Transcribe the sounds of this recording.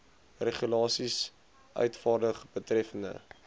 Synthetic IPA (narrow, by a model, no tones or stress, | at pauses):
reχulɑːsis | ʔœ̰ɥtfɑːrdəχbətrɛfəndə̰